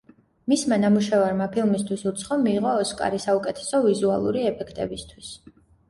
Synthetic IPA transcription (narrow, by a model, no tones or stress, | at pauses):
mismanamuʃɛvaɾmapʰilˠmist̪ʰwisut̪sʰχɔmiːʁɔːskʼa̰ɾisaukʼɛt̪ʰɛ̥sɔvizua̰lˠṵɾiɛpʰɛkʰt̪ʼɛ̰bist̪ʰwis